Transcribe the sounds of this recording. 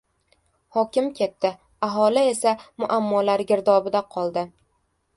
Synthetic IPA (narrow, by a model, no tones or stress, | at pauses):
hɒkʲɪmkʲʰe̞t̪ːɪ | aɦɒlɪe̞samʊʔamːɒlaɾɡʲɪɾd̪ɒbɪd̪aqʰɒlˠd̪ɪ